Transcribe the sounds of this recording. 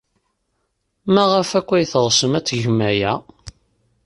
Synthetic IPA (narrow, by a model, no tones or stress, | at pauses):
mæʁæfækʷːæjθəʁsəmæt͡sːʝmæjæ